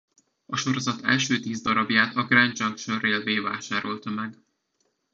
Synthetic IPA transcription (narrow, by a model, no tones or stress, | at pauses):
ɒʃo̞ɾo̞zɒt̪ʰɛ̰lʃøːt̪iːzd̪ɒɾɒbjaːt̪ʰɒɡrɛɲd͡ʒɒŋkʃoreːlveːvaːʃaːɾo̞lt̪ɒmɛɡ